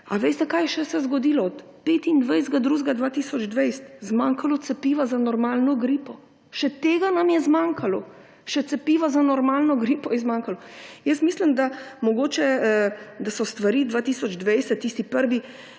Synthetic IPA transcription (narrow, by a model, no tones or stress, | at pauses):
a̰ʋejst̪ɛkaːjɛʃɛsɛzɡɔd̪iːlɔɔt̪peːt̪ind̪ʋɛjzɡad̪ɾuʒɡad̪ʋaːt̪iːsɔd͡ʒd̪ʋɛjst̪zmaːŋkalɔt̪sɛpiːʋazanɔɾmaːlnɔɡɾiːpɔ | ʃɛt̪eːɡanamjɛzmaŋkʰalɔ | ʃɛt̪sɛpiːʋazanɔɾmalnɔɡɾiːpɔjɛzmaŋkalɔjəst̪miːslimd̪amɔɡoːt͡ʃɛ | d̪asɔst̪ʋaɾiːd̪ʋaːt̪isɔd͡ʒd̪ʋɛjsɛt̪ːiːst̪ipəɾʋi